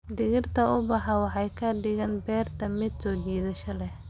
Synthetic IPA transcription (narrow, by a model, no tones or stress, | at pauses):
d̪ɪɣɪrt̪ʰɐʊbɑħɑwɑħɑjkʰɐɖɪɣɐnbɛːrt̪ʰɐmɪd̪sɔːdiːðɐʃɐlɛ